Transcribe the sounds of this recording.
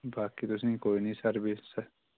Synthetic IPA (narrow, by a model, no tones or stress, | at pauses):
baːkit̪ʊs̬ẽkoːinĩsɐɾbʱisə